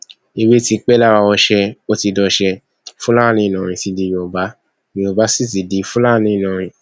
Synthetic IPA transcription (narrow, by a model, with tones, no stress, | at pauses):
i˧we˦ti˧k͡pɛ˦la˦wa˧ɔ˧ʃɛ˧o˦ti˧dɔ˧ʃɛ˧ | fũ˦la˦˨nĩ˧˦i˨nã˨ɾ̃ĩ˧ti˧di˧jĩ˧ɔ˨ba˨˦ | mĩ˧ɔ˨ba˨˦si˦˨ti˨di˧˦fũ˦la˦˨nĩ˧˦i˦˨nã˨˧ɾ̃ĩ˧